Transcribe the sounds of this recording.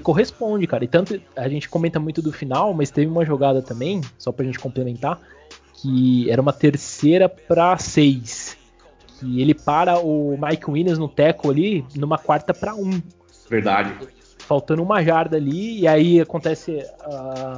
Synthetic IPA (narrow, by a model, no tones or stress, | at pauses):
ɪkoɦespõd͡ʒɪkaɾɐɪt̪ɐ̃nt̪ʊaʒẽnt͡ʃɪ̥komẽnt̪ɐmũj̃t̪ʊd̪ʊfinawmɐst̪evɪũmɐʒoɡad̪ɐt̪ɐ̃mbẽj̃sɔpɾɐʒẽnt͡ʃɪ̥kõplemẽnt̪a | kʰɪɛɾɐũmɐt̪eɾseɾɐpɾɐsejs | kʰɪelɪpaɾɐʊmajkwĩnẽznʊt̪ɛkoalinũmɐkwaɾt̪ɐpɾɐũ | veɾd̪a̰d͡ʒɪ | fawt̪ɐ̃nd̪ʊũmɐʒaɾd̪ɐːliːaiakõnt̪ɛsɪa